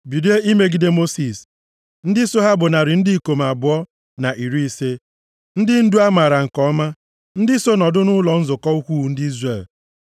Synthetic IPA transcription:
bi˨de˦i˦me˦ɡi˨de˦mo˦si˨s | n̩˦dɪ˦so˦ɦa˦bʊ˨na˨ɾɪ˨n̩˦dɪ˦˨ko˨m˨a˨bʊ˨˦ɔ˦ | na˨ʔi˨ɾi˦i˦se˦ | n̩˦dɪ˦n̩˦du˦a˦ma˨ɾa˨ŋ̩˨kɔ˦ɔ˦ma˦ | n̩˦dɪ˦so˦nɔ˨dʊ˦nʊ˦lɔ˨n̩˦zʊ˨kɔ˦u˦kʷu˦˨˦n̩˦dɪ˦i˦zre˨l

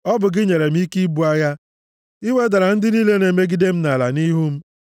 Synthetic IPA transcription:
ɔ˦bʊ˨ɡɪ˦ɲe˨ɾe˨m̩˦i˦ki˦bu˦a˦ja˦ | i˦we˦da˨ɾa˨n̩˦dɪ˦niː˦le˦ne˨me˦ɡi˦de˦m̩˦na˨la˨ni˦ɦu˦m̩˦

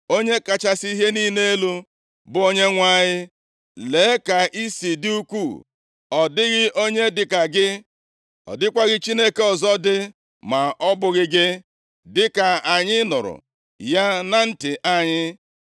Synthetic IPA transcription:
o˦ɲe˦ka˨t͡ʃa˦si˦i˦ɦe˦niː˦ne˦lu˦ | bʊ˨˦o˦ɲe˦ŋʷa˦˨ɲɪ˦ | le˨˦ka˨ʔi˦si˨di˦u˦kʷu˦˨ | ɔ˨dɪ˦ɣɪ˦ʔo˦ɲe˦dɪ˨ka˨ɡɪ˦ | ɔ̰˨dɪ˦kʷa˦ɣɪ˦t͡ʃi˦ne˦ke˦ɔ˨zɔ˦dɪ˦ | ma˨ʔɔ˦bʊ˦ɣɪ˦ɡɪ˦ | dɪ˦ka˨a˨ɲɪ˦nʊ˨ɾʊ̰˨ | ja˦na˨n̩˦tɪ˨ʔa˨ɲɪ˦

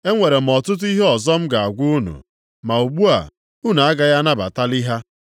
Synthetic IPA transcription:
e˦ŋʷe˨ɾe˨m̩˨ɔ˨tʊ˦t̬ʊ˦i˦ɦe˦ɔ˨zɔ˦m̩˦ɡa˨a˨ɡʷu˦u˦nṵ˨ | ma˨u˨ɡ͡bu˦a̰˨ | u˦na˨a˦ɡa˨ja˦na˦ba̰˨ta˦li˦ɦa˦

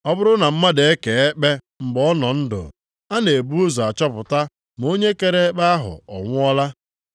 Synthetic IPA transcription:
ɔ˦bʊ˦ɾʊ˦na˨m̩˦ma˦de˨e˦ke˨e˦k͡pe˦ | m̩˨bɔ˦ɔ˦nɔ˨n̩˦dʊ̰˨ | a˦ne˨bu˦o˦zo˨a˨t͡ʃɔ˦pʊ˨ta˦ | m˨o˦ɲe˦ke˨ɾe˦k͡pa˦a˦ɦʊ̰˨ɔ̰˨ŋʷʊ˦ɔ˦la˦

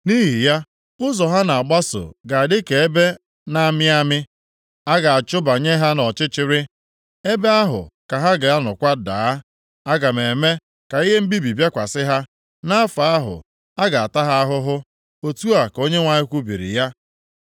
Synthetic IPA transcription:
ni˦ɦi˨ja˦ | ʊ˦zɔ˨ɦa˦na˨a˨ɡ͡ba˦so̰˨ɡa˨a˨dɪ˦ke˨e˦be˦ | na˦mɪ˦a˦mɪ˦ | a˦ɡa˨a˨t͡ʃʊ˦ba˨ɲe˦ɦa˦nɔ˨t͡ʃɪ˦t͡ʃɪ˦ɾɪ˦ | e˦be˦a˦ɦʊ̰˨ka˨ɦa˦ɡa˨a˦nʊ˨kʷa˦da̰ː˨˦ | a˦ɡa˨me˨me˦ | ka˨i˦ɦe˦m̩˦bi˦bi˨bja˦kʷa˨sɪ˦ɦa˦ | na˦fa˨a˦ɦʊ̰˨ | a˦ɡa˨a˨ta˦ɦa˦a˦ɦʊ˦ɦʊ˦ | o˨tu˦a˨ko˦ɲe˦ŋʷa˨ɲɪ˦kʷu˦bḭ˨ɾḭ˨ja˦

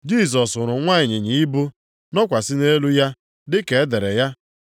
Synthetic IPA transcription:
d͡ʒi˦˨s̬ɔ˨sʊ˨ɾʊ˨ŋʷa˦˨ɲɪ˨ɲi˨i˦bu˦ | nɔ˦kʷa˨sɪ˦ne˦lu˦ja˦ | dɪ˦ke˨e˦de˨ɾe˨ja˦

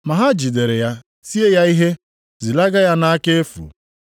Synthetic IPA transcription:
ma˨ɦa˦d͡ʒi˨de˨ɾe˨ja˦ | si˦e˦ja˦i˦ɦe˦ | zi˨la˦ɡa˦ja˦na˦a˦ke˦e˦fṵ˨

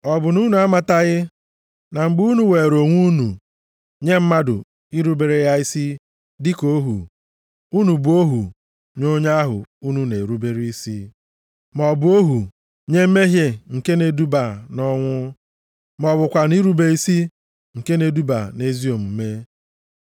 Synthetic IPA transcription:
ɔ˨bʊ˨nu˦nu˨a˦ma˦ta˦ɣɪ˦ | na˨ŋ͡m̩˨ɡ͡bu˦nu˨we˨ɾo˨ŋʷu˦nu˨ | ɲe˦m̩˦ma˦dʊ̰˨ | i˦ɾu˦be˨ɾe˦ja˦i˦si˦ | dɪ˦ko˦ɦṵ˨ | u˦nu˨bʊ˨o˦ɦṵ˨ | ɲo˦ɲa˦a˦ɦʊ̰˨u˦nu˨ne˨ɾu˦be˦ɾi˦i˦si˦ | mɔ˨bʊ˨˦o˦ɦu˨ | ɲe˦m̩˦me˦ɦje˦ŋ̩˨ke˦ne˨du˦ba˨nɔ˦ŋʷʊ˦ | mɔ˨bʊ˨kʷa˨ni˦ɾu˦be˨i˦si˦ | ŋ̩˨ke˦ne˨du˦ba˨ne˨zi˦o˨m̩˨˦me˦

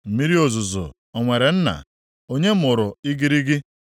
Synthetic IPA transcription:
m̩˨mi˦ɾi˦o˨zʊ˨zʊ̰˨ | ɔ˨ŋʷe˨ɾe˨n̩˦na̰˨ | o˦ɲe˦m̩˦ʊ˨ɾʊ˨i˦ɡi˦ɾi˦ɡɪ˦

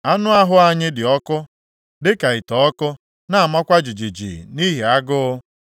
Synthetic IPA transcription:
a˦nʊ˦a˦ɦʊ˦a˦ɲɪ˦dɪ˨ɔ˦kʊ˦ | dɪ˦ka˨i˨tɔ˨ɔ˦kʊ˦ | na˦a˨ma˦kʷa˦d͡ʒi˨d͡ʒi˨d͡ʒḭ˨ni˦ɦe˨a˦ɡʊ˦ʊ˦

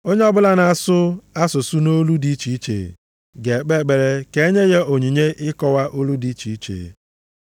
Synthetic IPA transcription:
o˦ɲe˦ɔ˦bʊ˦la˦na˨sʊ˦a˦sʊ˨su˦no˦lu˦di˦i˦t͡ʃi˨i˦t͡ʃḛ˨ | ɡe˨k͡pe˦˨k͡pe˨ɾe˦ke˦e˦ɲe˦ɣe˦o˨ɲi˨ɲe˦ʔɪ˦kɔ˦wa˦ʔo˦lu˦di˨˦t͡ʃi˨i˦t͡ʃḛ˨

